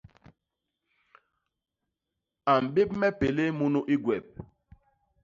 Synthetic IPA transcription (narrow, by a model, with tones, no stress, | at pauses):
a˨m̩˨be˦p̚mɛ˦pe˨le˦mu˦nu˦ʔi˦ɡwɛ˨p̚